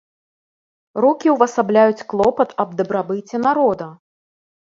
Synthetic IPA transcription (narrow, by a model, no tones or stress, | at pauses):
ɾɔkʲiwvɐsablʲajut͡sʲklˠɔpɐt̪ɐb̚d̪ɐbɾabɨt͡sʲːɛnaɾɔd̪ɐ